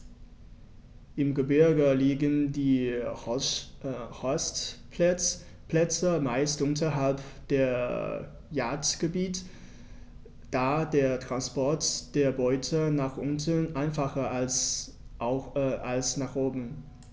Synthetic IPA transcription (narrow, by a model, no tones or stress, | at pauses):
ʔɪmɡəbɪɐɡəliːɡəndiː | hɔst | plɛt͡səmaɪstʔʊntɐɦalpd̥eːɐ | jaːɐtɡ̥əbiːt | d̥aːdeːɐtʁ̥anspɔɐtd̥eːɐbɔʏtʰənaːχʔʊntənʔaɪnfaχɐas | alsnaːχʔoːbm̩